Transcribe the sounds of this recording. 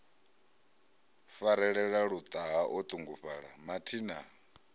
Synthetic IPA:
faɾɛɺɛɺaɺud̪ʼaɦaʔɔt̪ʼuŋɡuɸaɺamatʰiːna

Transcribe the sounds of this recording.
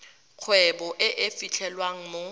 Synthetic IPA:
q͡χʰwɛbɔʔɪʔɪfit͡ɬʰɛlwaŋ̩mo

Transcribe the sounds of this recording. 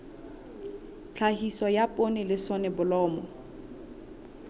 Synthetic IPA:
t͡ɬʰahisɔjapʼonɪlɪsɔnɛbʊlɔːmɔ

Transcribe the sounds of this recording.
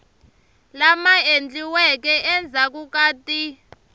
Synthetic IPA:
lamaend͡ɮiwɛkɛʔɛnd͡zʱak̬ukaːti

